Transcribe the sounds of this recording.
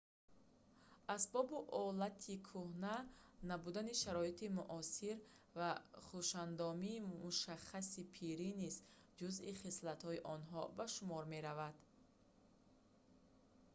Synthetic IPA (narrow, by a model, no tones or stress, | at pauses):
asbɔbiʔɔlat̪ʰikʰuhnanabud̪aniʃaɾɔit̪ʰimuʔɔsiɾ | vaχuʃand̪ɔmiːmuʃaχːasipʰiɾiniz | d͡ʒuziχislat̪hɔiʔɔnɦɔbaʃumɔɾme̞ɾavad̪̥